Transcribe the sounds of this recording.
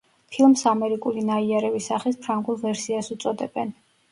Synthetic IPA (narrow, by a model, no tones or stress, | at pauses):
pʰilˠmsamɛɾikʼulinaiaɾɛvisaχispʰɾaŋɡulˠvɛɾsiasut̪sʼɔd̪ɛb̥ɛn